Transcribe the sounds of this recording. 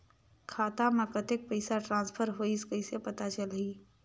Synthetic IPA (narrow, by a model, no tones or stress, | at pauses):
kʰaːt̪amãkət̪ek̚pəɪsaʈɾãːnspʰəɾɦoːiskəɪsepət̪at͡ʃəliː